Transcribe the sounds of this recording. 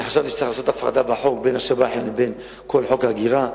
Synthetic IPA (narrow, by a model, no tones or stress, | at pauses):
ħaʃavt̪it͡siχlaːso̞t̪afʁa̰d̪abeħo̞k̚benhaʃabaħeneben | kolħo̞khaɡiʁa